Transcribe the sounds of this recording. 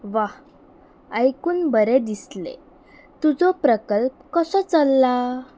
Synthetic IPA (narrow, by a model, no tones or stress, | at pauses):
ʋah | əjkuːnbəɾed̪islḛ | t̪ud͡zɔpɾəkəlp̚kəsət͡səlːa